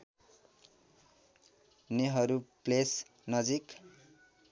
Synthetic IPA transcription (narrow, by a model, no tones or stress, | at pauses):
neɦʌɾuples | nʌd͡zik